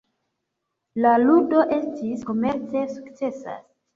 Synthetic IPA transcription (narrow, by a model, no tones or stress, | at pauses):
laludo̞ʔe̞stʰisko̞me̞ɾt͡se̞su̥kt͡se̞sa̰s